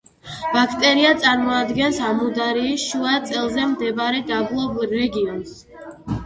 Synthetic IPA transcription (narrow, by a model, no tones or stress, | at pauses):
b̥akʰt̪ʼɛɾiat̪sʼaɾmɔad̪ɡɛnsamud̪aɾiːsʃuat̪sʼɛlˠzɛmd̪ɛbaɾɛd̪ablˠɔbuɾːɛɡiɔns